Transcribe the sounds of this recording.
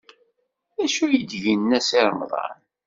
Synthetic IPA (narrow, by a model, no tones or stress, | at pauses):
æʃujəd̪ʝinːæsɪɾˤmðˤɑ̰n